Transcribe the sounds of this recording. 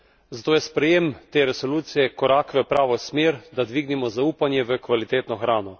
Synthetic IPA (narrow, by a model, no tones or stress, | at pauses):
zat̪oːjɛspɾɛjemt̪eːɾɛsɔluːt̪sijɛkɔɾaːkʋəpɾaːʋɔsmeːɾd̪ad̪ʋiɡnimɔzauːpanjɛʋəkʋalit̪eːt̪nɔxɾaːnɔ